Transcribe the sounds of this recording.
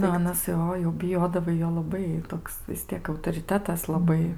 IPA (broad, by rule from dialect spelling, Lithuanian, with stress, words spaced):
ˈnʊ ɐˈnɐs ˈjoː jɛʊ bʲɪˈjoːdɐʋɐɪ ˈjoː lˠɐˈbɐɪ ˈtoːks ʋʲɪs ˈtʲiɛk ɐʊtoːrʲɪˈtʲæːtɐs lˠɐˈbɐɪ